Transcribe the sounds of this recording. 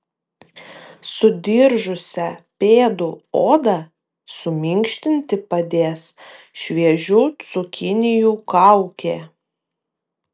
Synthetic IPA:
sʊd̪ʲɪɾʒʊsʲɛpʲeːd̪uoːd̪ɐ | sʊmʲɪŋʲkʃʲt̪ʲɪnʲt̪ʲɪpɐd̪ʲeːs | ʃʲʋʲiɛʒʲusʊkʲɪnʲɪjuːkɑˑʊkʲeː

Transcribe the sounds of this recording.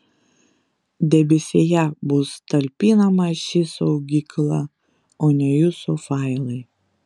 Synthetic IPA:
d̪ʲɛbʲɪsʲejɛbʊst̪ɐlʲpʲiːnɐmɐʃʲɪsɐʊɡʲiklˠɐ | oːnʲɛjʊsofɑˑɪlˠɐɪ

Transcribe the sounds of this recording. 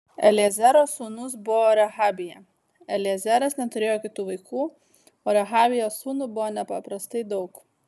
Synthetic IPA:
ɛ̰lʲɛzʲæɾoːsuːnʊsbʊʋoːɾʲɛɦɑːbʲɪjɛ | ɛlʲɪɛzʲæɾɐsnʲɛt̪ʊɾʲeːjoːkʲɪt̪uːʋɐɪkuː | oːɾʲɛɦɑːbʲɪjoːsuːnubʊʋoːnʲɛpɐpɾɐst̪ɐɪd̪ɒʊk

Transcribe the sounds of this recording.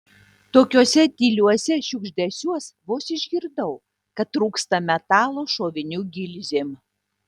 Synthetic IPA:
t̪oːkʲuːsʲɛd̪ʲiːlʲuɔsʲɛʃʲʊɡʒʲd̪ʲɛsʲuɔsʋoːsɪʒʲɡʲɪɾd̪ɐʊ | kɐt̪ːɾuːkst̪ɐmʲɛt̪ɑːlˠoːʃoːʋʲɪnʲuːɡʲɪlʲzʲeːm

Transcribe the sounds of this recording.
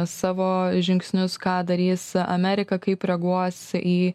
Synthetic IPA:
sɑːʋoːʒʲɪŋksʲnʲʊskɑːd̪ɐɾʲiːsɐ̰mʲæːɾʲɪkɐkɐɪpɾʲɛɡuɔsiː

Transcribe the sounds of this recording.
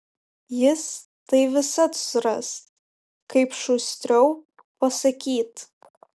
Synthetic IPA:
jɪs | tɐɪʋʲɪsɐtsrɐ̰st | kɐɪpʃusʲt̪ʲrʲow | pɐsɐkʲiːt

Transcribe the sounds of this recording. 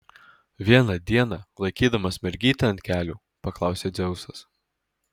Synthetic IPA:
ʋʲiɛnɐd̪ʲiɛnɐlˠɐɪkʲiːd̪ɐmɐsʲmʲɛɾʲɡʲiːt̪ʲɛɐnt̪ʲkʲæːlʲuː | pɐklˠɑˑʊsʲeːd̪zʲɛʊsɐs

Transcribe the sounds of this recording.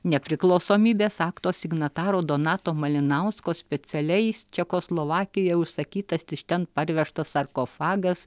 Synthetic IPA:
nʲɛpʲɾʲɪklˠɒʊsoːmʲiːbʲeːsɑːkt̪oːsʲɪɡnɐt̪ɑːɾoːd̪oːnɑːt̪oːmɐlʲɪnɐʊskoːsʲpʲɛsʲɛlʲɛɪt͡ʃʲɛkoːslˠoːʋɑːkʲɪjoɛʊʃsɐkʲiːt̪ɐsʲt̪ʲɪʃt̪ʲɛnpɐɾʲʋʲɛʃt̪ɐsɐɾkoːfɑːɡɐs

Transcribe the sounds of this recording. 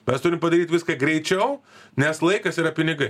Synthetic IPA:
mʲɛst̪ʊɾʲɪmpɐd̪ɐɾʲiːt̪ʋʲɪskɐɡɾʲɛɪt͡ʃʲɛʊnʲɛslˠɐɪkɐsiːɾɐpʲɪnʲɪɡɐɪ

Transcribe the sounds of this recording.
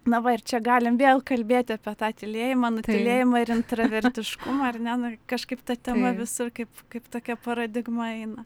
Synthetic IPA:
nɐʋɐɪrt͡ʃʲɛɡɑːlʲɪmʋʲeːlˠkɐlʲbʲeːt̪ʲɪɑːpʲiɛt̪ɑːt̪ʲɪlʲeːjɪmɑnʊt̪ʲɪlʲeːjɪmɑːɪɾɪnt̪ɾɐʋʲɛɾʲt̪ʲɪʃkʊmɐɐrnʲɛnʊkɐʃkɐɪpt̪ɐt̪ʲɛmɐʋʲɪsʊrkɐɪpkɐɪpt̪oːkʲɛpɐɾɐd̪ʲɪɡmɐɛɪnɐ

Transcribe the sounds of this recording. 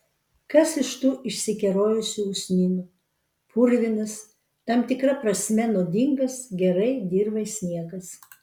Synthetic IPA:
kɐsɪʃt̪uːʔɪʃʲsʲɪkʲɛɾoːjʊsʲʊʊsʲnʲiːnʲʊ | pʰuɾʲʋʲɪnɐs | t̪ɐmt̪ʲɪkɾɐpɾɐsʲmʲɛnoːd̪ʲɪŋɡɐsɡʲɛɾɐɪd̪ʲiːɾbɐɪsʲnʲiɛɡɐs

